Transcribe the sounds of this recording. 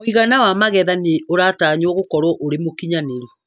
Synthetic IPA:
oiɣanawamaɣɛðaneoɾaːtaːɲɔɣokɔɾwɔʔoɾemokiɲaneɾe

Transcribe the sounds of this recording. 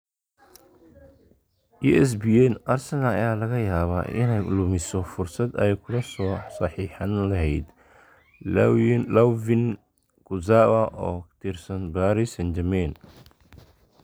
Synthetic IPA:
juʔɛs̬biɛnʔɐrsɛnaɐ̰jaːlɐɣɐjaːβa̰ʔɪ̰nɛjlʊmɪsɔfʊrsɐd̪ɛjkʰʊlɐsɔːsɐħiːħɐnlɐɦɛjd̪ | lavɪn | ɡ̥ʊzawɐʔɔːt̪ʰirsɐnbaːɾisɐnd͡ʒɐmɛːn

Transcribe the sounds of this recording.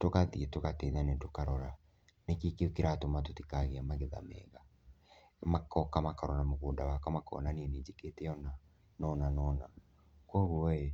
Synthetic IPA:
tokaðietokateɲanetokaɾɔɾa | nekikeokeɾatomatotikaɣeamaɣeða̰mɛ̰ːɣa | makɔkamakaɾɔɾamoɣondawakamakɔ̰naniɛned͡ʒeketɛɔna | nɔnanɔna | kwɔɣuɔe

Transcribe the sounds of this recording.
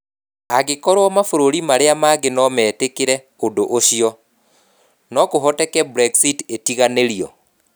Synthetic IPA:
aɣekɔɾwɔmafoɾoɾimaɾeamaɣenɔmɛːtekeɾɛ | ondoʔoʃiɔ | nɔkoɦɔtɛkɛbɾɛɡsitetiɣaneɾiɔ̰

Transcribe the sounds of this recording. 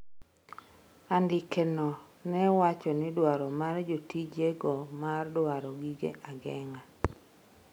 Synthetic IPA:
andɪkenɔ | nɛwat͡ʃɔnɪdwaɾɔmard͡ʒotid͡ʒeɡɔmardwaɾɔɡiɡḛʔaɡɛŋa

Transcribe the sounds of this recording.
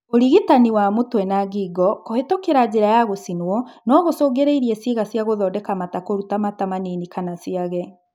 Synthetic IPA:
oɾiɣitaniwamotwɛnaɡiɡɔkohetokeɾad͡ʑeɾajaɣosinwɔnɔɣosoːɡeɾeiɾiɛseɣasjaɣoðɔːdɛkamatakoɾutamatamaninikanasiaɣɛ

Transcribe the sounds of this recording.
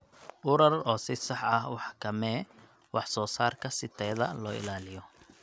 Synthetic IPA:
ʊɾɐrɔːsɪsɑħɐhwɑħkʰɐmɛː | wɑħsɔːsaːrkʰɐsɪt̪ʰɛːðɐlɔːɪ̰laːlɪjɔ

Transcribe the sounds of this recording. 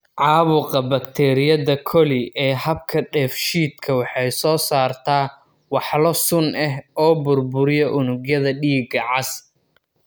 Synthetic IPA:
ʕɑːβʊqɐbɐkt̪ʰɛːɾɪjɐðɐkʰɔlɪʔɛːɦɐb̚kʰɐɖɛːfʃiːd̪kʰɐwɑħɑjsɔːsaːrt̪ʰaː | wɑħlɔsʊnɛɦɔːbʊrbʊɾɪjɔʔʊnʊɡjɐðɐɖiːɡɐʕɑs

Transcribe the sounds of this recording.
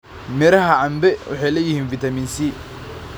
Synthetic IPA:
mɛɾɐɦɐʕɑmbɛwʊ̰ħɑjlɛjɪhiːnfit̪ɐmiːnsiː

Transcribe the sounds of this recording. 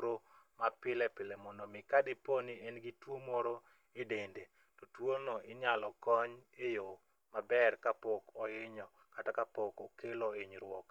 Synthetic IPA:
ɾomapɪlɛpɪlɛmɔndɔmɪkadɪpɔnienɡitwomoɾo | edende | tɔtwonɔɪɲalɔkɔɲejo | mabɛrkapɔkɔɪɲɔ | katakapɔkɔkeloeɲɾwɔk

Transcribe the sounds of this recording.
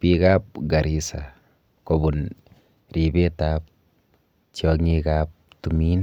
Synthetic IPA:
pikap̚ɡaɾisa | kobun | ɾibetap̚ | t͡ʃjɔŋikap̚tumin

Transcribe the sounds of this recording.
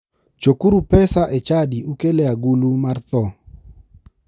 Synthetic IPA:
t͡ʃokuɾupɛsaʔet͡ʃadiukelɛaɡulumart̪ɔ

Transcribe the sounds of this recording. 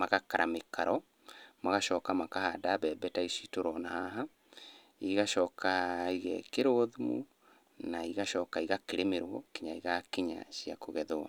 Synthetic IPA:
maɣakaɾʔamekaɾɔ | maɣaʃɔːkamakahadaβɛbɛtaisitoɾɔnahaɦa | iɣaʃɔːkaiɣɛ̰keɾoðumṵ | naiɣaʃɔkaiɣakeɾemeɾwɔkiɲaiɣakiɲa̰ʃia̰koɣɛðoa̰

